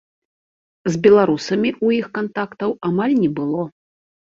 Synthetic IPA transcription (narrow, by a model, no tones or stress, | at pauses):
zbʲɛlˠaɾusɐmʲiʔujixkant̪akt̪ɐwamalʲnʲɛbɨlˠɔ